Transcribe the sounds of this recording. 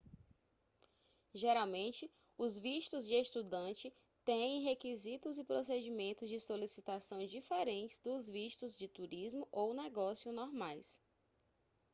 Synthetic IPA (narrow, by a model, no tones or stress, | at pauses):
ʒeɾawmẽnt͡ʃɪ | ʊzviʃt̪ʊzd͡ʒɪest̪ud̪ɐ̃t͡ʃɪ | t̪ẽɦekizit̪ʊzɪpɾosed͡ʒimẽnt̪ʊzd͡ʒɪsolisit̪asɐ̃w̃d͡ʒifɛɾẽnt͡ʃɪ̥zd̪ʊzviʃt̪ʊzd͡ʒɪt̪uɾizmʊʔownɛɡɔsiʊnɔɾmajs